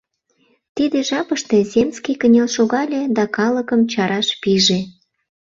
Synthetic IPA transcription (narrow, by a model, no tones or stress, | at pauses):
t̪id̪eʒɑpəʃt̪ezʲemst͡skikənʲelʃoɣɑlʲed̪ɑkɑləkəmt͡ɕɑɾɑʃpiʒe